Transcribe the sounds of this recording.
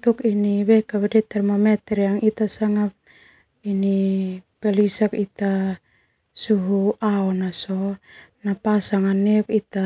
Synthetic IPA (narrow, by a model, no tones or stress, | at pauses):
t̪ukiniβekaβedet̪ɛrmamet̪eɾjaŋit̪asaŋap̚ | inipelisakit̪a | suɦuaonasonapasaŋanekit̪a